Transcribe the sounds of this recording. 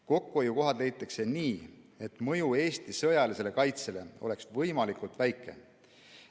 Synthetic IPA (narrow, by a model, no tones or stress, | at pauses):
ko̞kːuojuko̞ɦɑd̪le̞jt̪ːˑɑkse̞niː | e̞t̪ːˑmɤjue̞ːst̪isɤ̞jɑlise̞le̞kɑjt̪se̞le̞o̞le̞ksvɤjmɑlikult̪væjkːˑe̞̰